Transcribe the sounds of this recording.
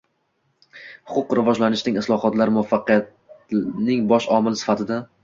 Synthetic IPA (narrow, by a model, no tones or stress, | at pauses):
hʊ̥qʰʊqɾɪvɒd͡ʒlanɪʃnɪŋɪslˠɒhɒt̪laɾmʊafːɑqʰɨjat̪ | nɪŋbɒʃɒmɪlɪsɪ̥fat̪ʰɪd̪a